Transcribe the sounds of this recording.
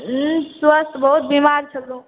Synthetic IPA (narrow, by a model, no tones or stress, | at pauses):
swəst̪bəɦut̪̚bimaːɾt͡ʃʰɐlũ